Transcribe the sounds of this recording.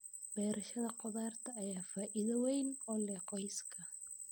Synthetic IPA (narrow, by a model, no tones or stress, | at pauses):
bɛːɾɐʃɐðɐqɔðaːrt̪ʰɐːjaːfaːʔɪðɐwɛjnɔːlɛːqɔjskʰɐ